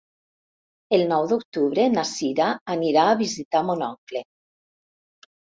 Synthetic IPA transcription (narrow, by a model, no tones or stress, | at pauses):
elnɔwd̪ok̚t̪uβɾenasiɾaːniɾaːβizit̪amonɔŋkle